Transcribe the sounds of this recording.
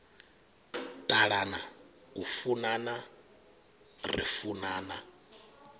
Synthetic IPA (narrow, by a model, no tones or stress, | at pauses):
tʼaɺana | ufunana | rḭfunaːna